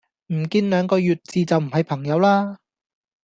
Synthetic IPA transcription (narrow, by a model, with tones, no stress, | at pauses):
m̩˨˩kiː˧nlœː˨˧ŋkɔː˧jyː˨t̚t͡siː˨t͡sɐ˨wm̩˨˩ɦɐ˨jpʰɐ˨˩ŋjɐ˨˧wlaː˥